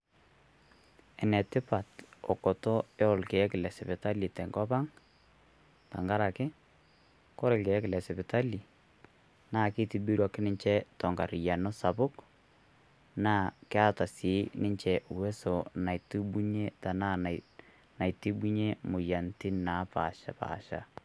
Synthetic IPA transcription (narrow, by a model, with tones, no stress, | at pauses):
ɛ˨nɛ˨tɪ˦pa˨tɔ˨kɔ˨tɔ˦e˦ɔ˨lke˨˦kɪ˨lɛ˨sɛ˨pɪ˨ta˦li˨tɛ˨ŋɡɔ˦pa˦ŋ | ta̰˨ŋɡa˦ɾa˨kɪ˦ | kɔ˦ɾɪ˨lke˨˦kɪ˨lɛ˨sɛ˨pɪ˨ta˦li˨ | naː˦˨ki˦ti˨bi˦ɾwa˦kːɪ˦nɪ˦ɲt͡ʃɛ˦tɔ˨ŋɡa˨ɾɪ˨ja˨no˦sa˨bʊ˦k | naː˦˨kɪ˦a˦ta˨sɪ˨˦nɪ˦ɲt͡ʃɛ˨wɛ˦sɔ˨na˨jti˦ɓu˦ɲe˦ta˨na˦na˨ | na˨jti˦bu˦ɲe˦mʊ˨ja˨ntɪ˦na˨˦pa̰˨ʃa̰˦pa̰ː˨ʃa̰˦